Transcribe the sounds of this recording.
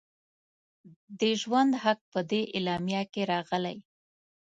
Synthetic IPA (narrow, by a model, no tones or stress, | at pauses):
d̪əʒwand̪ɦak̚pəd̪eʔɪlɑmjɑkeɾɑɣəla̰j